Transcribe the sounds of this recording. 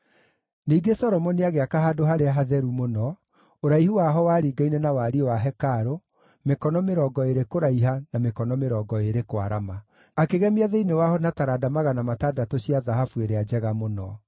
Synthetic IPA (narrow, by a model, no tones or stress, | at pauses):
niːɡesɔɾɔmɔniaɣeakaɦaːdoɦaɾeaɦaðɛɾumonɔ | oɾaihuwaɦɔwaɾiːɡainɛnawaɾiwaɦɛkaɾo | mekɔnɔmeɾɔːɡɔeɾekoɾaiɦanamekɔnɔmeɾɔːɡɔeɾekwa̰ɾama | akeɣɛmeaðɛinewaɦɔnataɾadamaɣanamatadatoɕiaðaɦafueɾead͡ʒɛɣamonɔ